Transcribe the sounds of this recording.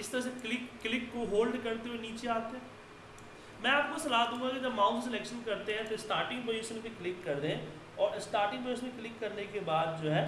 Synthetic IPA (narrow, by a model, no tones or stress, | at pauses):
ɪst̪əɾɐseklɪkːlɪkːoɦoːlɖkɐɾt̪euweniːt͡ʃeaːt̪eɦɛ̃ː | mɛ̃aːp̚kosɐlaːd̪ũŋɡakid͡ʒɐbmãːʊ̃nt̪s̬ɪlɛːkʃənkɐɾt̪eɦɛ̃t̪oɪsʈaːɾʈɪ̃ŋɡbɐjoːsmẽbiklɪkːɐɾd̪eɦɛ̃ | ɔːɾɪsʈaːɾʈɪ̃ŋɡbəjosmẽklɪkːɐɾnekebaːd̪̚d͡ʒoːɦɛː